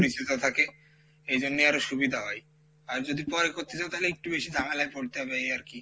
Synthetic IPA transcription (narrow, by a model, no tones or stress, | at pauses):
oɾit͡ɕit̪ot̪ʰake | ejd͡ʑonːejaɾoʃubid̪ʱaɦɔj | aɾd͡ʑod̪ipɔɾekoɾt̪et͡ɕabet̪aɦleek̚ʈubeʃid̪ʱaŋalajpoɾt̪eɦabeejaɾki